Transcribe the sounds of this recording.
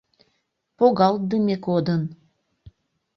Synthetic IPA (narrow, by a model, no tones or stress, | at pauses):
poɣɑl̚d̪əmʲekod̪ən